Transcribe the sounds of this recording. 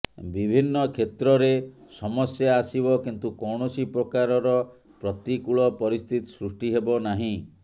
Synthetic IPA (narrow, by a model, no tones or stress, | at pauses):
bibʱinːɔkʰet̪ɾɔɾesɔmɔsjaasibɔkint̪ukɔwɳɔsipɾɔkaɾɔɾɔ | pɾɔt̪ikuɭɔpɔɾist̪ʰit̪isɾusʈiɦebɔnaɦĩ